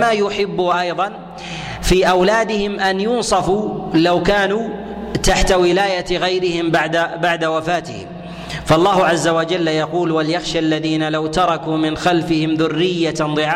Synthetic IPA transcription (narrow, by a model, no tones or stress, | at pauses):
majʊħɪbːʊʔɑjðˤɑn | fiːʔawlaːd̪ɪhɪmʔanjʊnsˤɑfuːlawkaːnuː | t̪aħt̪awɪlaːjaɣajɾɪhɪmbaʕd̪abaʕd̪awafaːt̪ɪ̰hɪ̰ | faɑlˤːɑːhʊʕazːawad͡ʒalːjɑquːlwaljaxʃaʔlːaðiːnalawt̪ɑɾˤɑkuːmɪnxalfɪhɪmðʊrːɪjːad̪ˤɨʕaː